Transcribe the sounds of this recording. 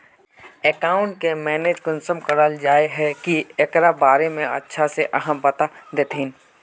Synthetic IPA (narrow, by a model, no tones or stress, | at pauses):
ekaːʊ̃ɳʈ̚kemɛːneːd͡ʒkənsəmkəɾəld͡ʒaːeɦɛkiekɾabaːɾemẽɐ̰tːʃʰaseʔɐɦəmpɐt̪ad̪eːt̪ɪn